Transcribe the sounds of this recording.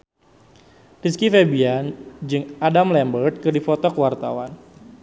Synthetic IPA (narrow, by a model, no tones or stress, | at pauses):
riskifebiand͡ʒɨŋadamlɛmbərt̪̚kɨrdifɔt̪ɔkəwart̪a̰wan